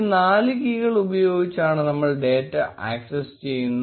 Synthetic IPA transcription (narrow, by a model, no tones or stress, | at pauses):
naːlɨkiːɣɐɭubɐjo̞ːɡit͡ɕːaːɳɨnɐmːɐɭɖe̞ːtːɐʔa̰ːksest͡ɕejːunː